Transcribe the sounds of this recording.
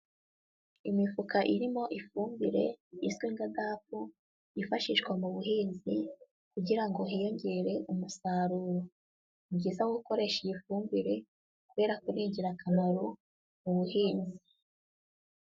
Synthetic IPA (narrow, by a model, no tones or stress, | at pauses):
imifukaʔiɾimo̞ʔifuːmbiɾe̞̰izɡwiŋɡadaːpu | ifaʃiʃwamuβuɦiːnzi | kuɟiɾaŋɡo̞ijo̞ɲɟe̞ɾe̞ʔumusaːɾuːɾo | mɟiːzawuko̞ɾe̞ʃijifuːmbiɾe̞ | kuβe̞ːɾakuɾiːɲɟiɾakamaɾo | muβuhiːnzi